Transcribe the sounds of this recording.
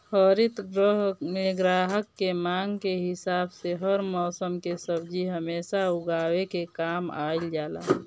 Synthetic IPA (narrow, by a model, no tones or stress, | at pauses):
həɾɪt̪ɡɾəɦmeɡɾaːɦəkːemaːŋɡkeɦɪsaːbseɦəɾmɔːsəmkesəbd͡ʒiɦəmeːsaʊɡaːwekekaːma̰ːɪld͡ʒaːla̰ː